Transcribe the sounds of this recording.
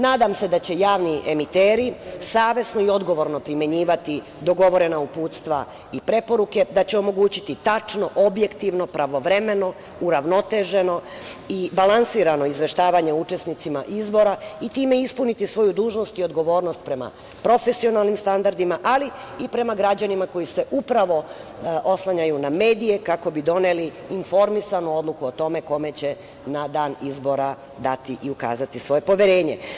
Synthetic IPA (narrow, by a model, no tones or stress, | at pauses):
naːd̪amse̞d̪at͡ɕe̞jaːʋniʔemit̪eːɾisaːʋje̞sno̞io̞d̪ɡo̞ʋo̞ɾno̞pɾimje̞ɲiːʋat̪i | d̪o̞ɡo̞ʋo̞ɾe̞naupuːt̪st̪ʋa̰ | ipɾe̞po̞ɾuke̞d̪at͡ɕeo̞mo̞ɡuːt͡ɕit̪it̪at͡ʃno̞ʔo̞bje̞kt̪iʋno̞pɾaʋo̞ʋɾe̞me̞no̞ | uɾaʋno̞t̪e̞ʒe̞no̞ | ibalansiːɾano̞izʋe̞ʃt̪aːʋaɲe̞ut͡ʃe̞snit̪sima̰ʔizbo̞ɾait̪iːme̞ispunit̪isʋo̞jud̪uːʒno̞st̪io̞d̪ɡo̞ʋo̞ːɾno̞st̪̚pɾe̞ma̰ | pɾo̞fe̞sio̞nalˠnimst̪and̪aɾd̪imaʔali | ipɾe̞maɡɾad͡ʑanimako̞ise̞ʔupɾaʋo̞ʔo̞slaɲajuname̞ːd̪ije̞kako̞bid̪o̞ne̞liːnfo̞ɾmisanuo̞d̪lˠukuot̪o̞me̞ko̞me̞t͡ɕe̞ | nad̪aːnizbo̞ɾa | d̪at̪iʔiuka̰ːzat̪isʋo̞je̞po̞ʋje̞ɾe̞ːɲe̞̰